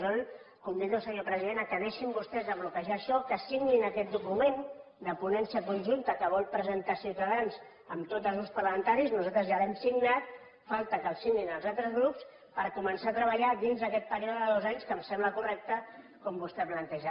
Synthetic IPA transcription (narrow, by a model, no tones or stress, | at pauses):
zon | kɔmd̪it̪əlˠsəɲopɾəziðenəkəðɛʃimbust̪ɛzðəβlukəʒaːʃɔkəsiɣninəkɛt̪̚d̪ukumen | d̪əpunɛnsiəkunʲʒunt̪əkəβɔlˠpɾəzənt̪asiwt̪əðanz | ə̰mt̪ot̪əlˠzuspərləmənt̪aɾiznuzalt̪ɾəzjalɛmsiɡnat̪̚ | falˠt̪əkəlˠsiɡninəlˠzalt̪ɾəzɣɾups | pəɾkumənsaːt̪ɾəβ̞əʎad̪inzðəkɛt̪̚pəɾijɔðəəðozaɲskəmsɛmbləkurɛk̚t̪ə | kɔmbust̪ɛplənt̪ɛʒa